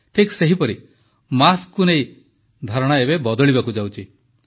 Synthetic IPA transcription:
t̪ʰikseɦipɔɾi | maskːunej | d̪ʱɔɾɔɽ̃ɔebebɔd̪ɔɭibakud͡ʒawt͡ʃʰi

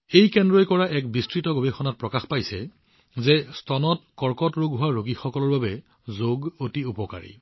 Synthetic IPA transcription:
ejkɛndɹɔjkɔɹaʔɛkbistɹitɔɡobexɔnat̚pɹɔkaxpajsɛ | zɛstɔnɔtkɔɹkɔtɹoɡɦʊwaɹoɡixɔkɔlɔɹbabɛ | zoɡotiupɔka̰ɹḭ

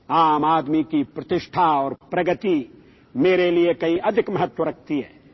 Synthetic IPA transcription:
aːmaːd̪mikipɾɐt̪ɪʃʈʰaɔːɾpɾɐɡət̪i | meːɾeliekɐɦĩʔɐd̪ʱɪkmɐɦət̪wəɾɐk̚ʰt̪iɦɛ̰ː

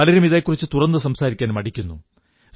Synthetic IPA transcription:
ɐlɐɾumiðejkːurit͡ɕːɨt̪urɐnd̪ɐs̬ɐmsaːɾikʲːaːnmɐɽikʲːunːṵ

